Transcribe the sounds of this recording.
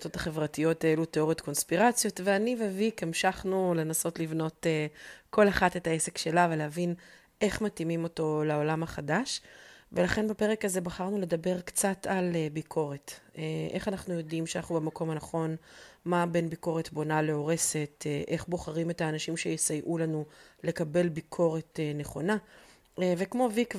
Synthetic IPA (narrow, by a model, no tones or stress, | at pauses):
t͡sotaχe̞vʁatijo̞taeluteo̞ʁet̪ko̞nspiʁat͡sjo̞tveanivevikemʃaχnule̞naso̞tlivno̞tekʰo̞laχate̞taese̞kʃe̞lavelehavin | ʔe̞χmatimimo̞to̞lao̞lamaχadaʃve̞laχe̞nbape̞ʁe̞kaze̞baχaʁnule̞dabe̞ʁkt͡satalebikʰo̞ʁe̞teʔe̞χanaχnujo̞dimʃeanaχubemako̞manaχo̞nmabe̞nbiko̞ʁetbo̞naleo̞ʁe̞se̞teʔe̞χbo̞χaʁime̞taːnaʃimʃejesajʔulanule̞kabe̞lbikʰo̞ʁe̞teneχo̞na | vekmo̞vik